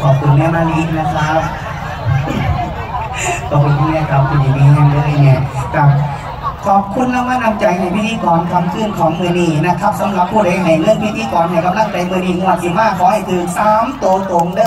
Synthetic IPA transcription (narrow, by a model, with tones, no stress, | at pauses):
kʰɔː˨˩p̚kʰu˨˧nːɛː˧˥˨maː˧˩liː˦˥k̚na˧˥kʰa˦˥p̚ | k̪ʰɔː˨˩kʰu˧nkʰuː˧˨nɛː˧˩ka˨˧˩p̚kʰu˧˩njuː˨˩niː˧˩ha˧˩nləː˧˩˨jni˧˩ɐka˧˩ | kʰɔː˨˩p̚kʰu˧nːlaː˧˥maː˧˥˨na˧˩mt͡ɕa˧jha˧˩jpʰi˦˥˩iː˧˦kɔː˨˩nkʰa˧mkʰɯː˧˥˩nkʰɔː˨˦ŋmɯː˧niː˧˩na˦˧˥kʰa˦˥p̚sa˨˦mɾa˨˧˩pʰːuː˧˩ɾa˧˦jna˨˩jŋɯ˧˩əŋpʰi˦˥˩t̪ʰiː˧˥kɔː˨˩nha˧˩la˧˩na˧˥˩ŋt͡ɕa˨˧jmɯ˧niː˧˥˩ŋu˧˩ət̪̚i˧˩maː˧˥˩kʰːɔː˨˦ha˧˩jt̪ʰɯː˨˩k̚saː˨˧˦mt̪u˧˩ə˧t̪o˨˩ŋdɤː˧˨